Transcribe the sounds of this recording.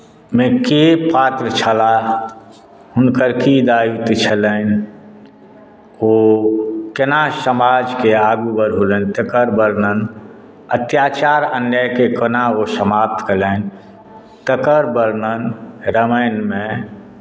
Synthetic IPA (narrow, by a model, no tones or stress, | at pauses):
mẽkepaːt̪ɾət͡ʃʰəla | ɦʊnkəɾkid̪aːjut̪t͡ʃʰələn | oː | kənasəmaːd͡ʒkeaːɡubəɾɦulənt̪əkəɾbəɾnən | ət̪jaːt͡ʃaːɾənjəkekənaosəmaːp̚t̪kələn | t̪əkəɾbəɾnənɾəməjnmẽ